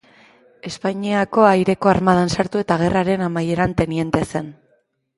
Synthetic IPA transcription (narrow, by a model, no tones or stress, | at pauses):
e̞spaɲiako̞ajɾe̞ko̞aɾmað̞ansaɾt̪ue̞t̪aɣ̞e̞raɾe̞namaje̞ɾant̪e̞nie̞nt̪ese̞n